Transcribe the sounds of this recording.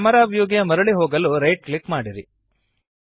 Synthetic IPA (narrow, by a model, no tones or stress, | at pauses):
mɐɾaːbjoːɡijɐmɐɾɐɭiɦoːɡɐluɾɐjʈ̚klikmaːɽiɾi